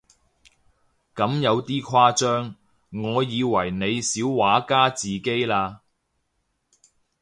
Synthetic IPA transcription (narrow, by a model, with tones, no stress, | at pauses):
kɐ˨˥mjɐ˨˧wt̪iː˥kʰaː˥t͡ʃœː˥ŋː | ɔː˨˧jiː˨˧wɐ˨˩jne˨˧jsiː˨˥wwaː˨˥kaː˥t͡siː˨ke˥jlaː˧